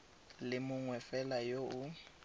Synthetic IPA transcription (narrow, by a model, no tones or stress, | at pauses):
lɪmʊŋwɛfɛlajoʊ